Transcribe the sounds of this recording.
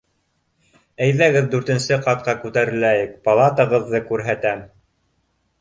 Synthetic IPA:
æjðæɡɘðd̪ʉɾt̪ɘ̆nsɘqɑt̪̚qɑkʉt̪æɾɘ̆læjɘk̚pɐlˠɑt̪ɤ̆ʁɤ̆ðːɤkʉɾɦæt̪æm

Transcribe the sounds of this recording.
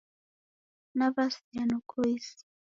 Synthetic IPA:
naβasjanʊkʊjs

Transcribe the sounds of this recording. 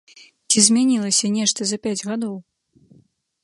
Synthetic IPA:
t͡sʲizʲmʲanʲilˠɐsʲɐnʲɛʂt̪ɐzɐpʲad͡zʲɣad̪ɔw

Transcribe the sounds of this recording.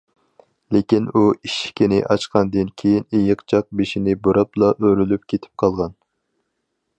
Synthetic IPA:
lekʲinuiʃkʲinɪʔɑt͡ʃqʰɑnd̪ɨnkʲʰejinejɪqt͡ʃʰɑq̚beʃinɪboɾɑplˠɑʔøɾylyp̚kʲʰet̪ʰɪ̥p̚qʰɑlˠʁɑn

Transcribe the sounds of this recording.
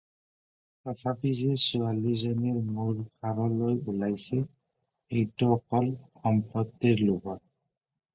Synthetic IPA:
tɔtʰapisɛsualizɔnɛɹmuɹkʰaɹɔlojulajsɛ | ejtɔɔkɔlxɔmpɔtːiɹloɡɔt̚

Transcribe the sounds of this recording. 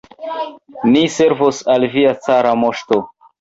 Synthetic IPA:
niseɾvosalviat͡saɾamoʃto

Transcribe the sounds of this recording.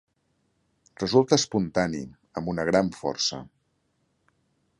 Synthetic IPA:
rəzulˠt̪əəspunt̪anḭ | əmbunəɣɾaɱfɔ̰rsə̰

